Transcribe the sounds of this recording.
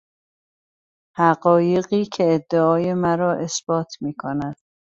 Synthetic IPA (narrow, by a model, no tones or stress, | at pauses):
hæɢɒːje̞ɣiːcʰe̞ːd̪ːeɒːje̞mæɾɒːʔe̞sb̥ɒːt̪ʰmiːkʰonæd̪̥